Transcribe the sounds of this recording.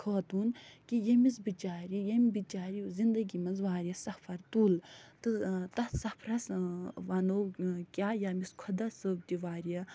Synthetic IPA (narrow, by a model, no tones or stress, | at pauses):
kʰɐːt̪uːnkijɐmisbit͡ʃaːɾijɐmbit͡ʃaːɾizind̪ɐɡimɐnzʋaːɾʲjɐsɐhpʰɐɾt̪uːlt̪ɨt̪ɐsɐpʰɾɐsʋanoːkʲaːjamiskʰɐd̪ɐsəːb̚t̪iʋaːɾijɐ